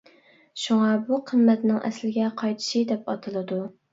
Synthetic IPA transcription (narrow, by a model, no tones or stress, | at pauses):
ʃuŋɑbuqʰəmːɛt̪nɪŋʔɛ̰slɪɡʲɛqʰɑjt̪ʰɨ̥ʃɨd̪ɛpɑt̪ʰɨlˠɨd̪u